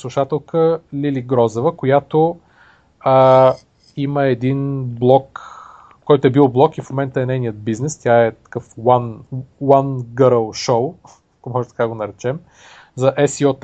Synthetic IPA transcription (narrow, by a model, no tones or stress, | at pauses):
slˠuʃat̪ɛlˠkʰəlʲiliɡɾɔzɛvəkojat̪o | ə | iməɛd̪inblˠɔk | kɔjt̪oɛbilˠblˠɔkifmomɛnt̪əɛnɛjnijət̪̚biznɛst̪ʲjaɛt̪ɐ̥kɤfwanwanɡəɾəlˠʃow | komɔʒɛt̪ɐ̥kaɡonɐɾɛt͡ʃɛm | zɐʔɛsiɔt̪